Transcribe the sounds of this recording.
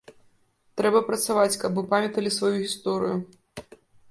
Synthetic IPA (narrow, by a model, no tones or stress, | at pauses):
t̪ɾɛbɐpɾɐt̪savat͡sʲkɐbmɨpamʲɐt̪ɐlʲisvajuɣʲist̪ɔɾɨju